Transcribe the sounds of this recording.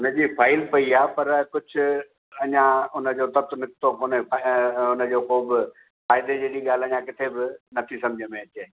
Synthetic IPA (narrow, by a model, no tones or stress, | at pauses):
ʊnəd͡ʑiːpʰaːɪlpɐiaːpɐɾkʊd͡ʑʰʱʊ | ɐɲãʊnəd͡ʑoːt̪ɐt̪nɪk̚t̪okʊneaʊnəd͡ʑoːxoːbɪ | faːɪd̪ed͡ʑeːɽiɠaːl̤ɐɲãkɪt̪ʰebɪnɐt̪ʰisɐ̃md͡ʑʱəmẽɐt͡ɕeː